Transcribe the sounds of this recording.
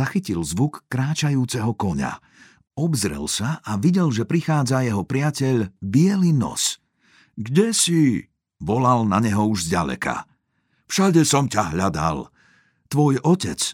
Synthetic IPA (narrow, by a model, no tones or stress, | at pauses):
axicilzʋukːɾaːt͡ʃajuːt͡sɛɦɔkɔɲa̰ | ɔbzɾɛ̰lsaʔaʋiɟɛlʒɛpɾixaːd͡zajɛɦɔpɾɪacɛʎbɪɛlinɔ̰s | ɡɟɛsi | ʋɔlalnaɲɛɦɔuʒzɟa̰lɛ̰ka̰ | fʃaɟɛsɔmcaɦʎad̪a̰l | t̪ʋɔjɔcɛt͡s